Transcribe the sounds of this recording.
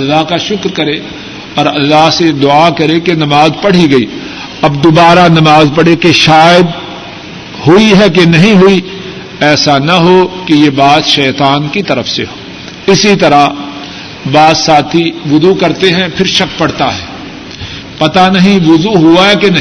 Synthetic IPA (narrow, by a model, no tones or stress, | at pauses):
ɐlːaɦkaʃʊkɾkɐɾe | ɔːɾɐlːaɦsed̪ʊakɐɾekenɐmaːzpɐɽ̤iɡɐiː | ɐbd̪ʊbaːɾanɐmaːzpɐɽ̤ekeʃaːjd̪ | ɦʊiɦɛk̬enɐɦĩɦʊi | ɛːsanɐɦokejebaːt̪ʃɛːt̪aːnkit̪ɐɾəfseɦoː | ɪsit̪ɐɾa | baːzsaːt̪ʰiʋʊzukɐɾt̪eɦɛ̃pʰɪɾʃɐk̚pɐɽt̪aɦɛ̰ː | pɐt̪anɐɦĩʋʊzuɦuaɦɛkenɐ